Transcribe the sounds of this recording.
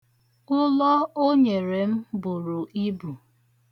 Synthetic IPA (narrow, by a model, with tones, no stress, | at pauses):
ʊ˦lɔ˦o˦ɲe˨ɾe˨m̩˦bʊ˨ɾʊ˨ʔi˦bu˨